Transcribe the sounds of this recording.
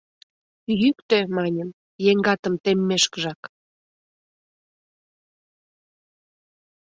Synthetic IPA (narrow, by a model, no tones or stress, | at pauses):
jykt̪ĕmɑnʲəm | jeŋɡɑt̪əmt̪emːeʃkəʒɑk